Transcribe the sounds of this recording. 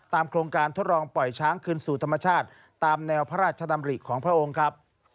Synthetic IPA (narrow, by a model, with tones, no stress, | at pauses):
t̪aː˧mkʰɾoː˧ŋkaː˧nt̪ʰo˦˥t̪̚ɾlɔː˧ŋpɔ˨˩jt͡ɕʰaː˦˥ŋkʰɯː˧nsuː˨˩t̪ʰa˧mːa˧t͡ɕʰaː˥˩t̪̚ːaː˧mnɛː˧wpʰa˦ɾaː˥˩t̪̚t͡ɕʰa˧d̪a˧mɾi˨˩kʰɔː˩˦ŋpʰɾa˥ʔo˧ŋkʰɾa˦˥p̚